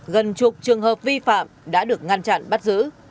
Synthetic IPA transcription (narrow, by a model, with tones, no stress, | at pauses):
ɣə˨˩nt͡ɕʊ˨˩k͡p̚t͡ɕɨ˨˩əŋɦəː˨˩p̚vi˧fa̰ː˧˨mɗa̰ː˧˥ɗɨ˨˩ək̚ŋa˧nt͡ɕa̰˧˨nɓa˦˥t̚zɨ̰˧˥